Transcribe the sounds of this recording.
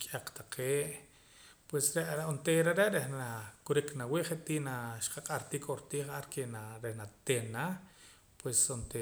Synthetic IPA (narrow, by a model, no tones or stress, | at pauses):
kʼaq͡χt̪aqʰeːʔ | pwesɾeʔɾont̪eɾeʔɾeʔɾehnakuɾiknawiʔχeʔt̪iːnaʃqaqʼaɾt̪ikʼoɾt̪iːχaɾkenaɾehnat̪enːa | pwesont̪e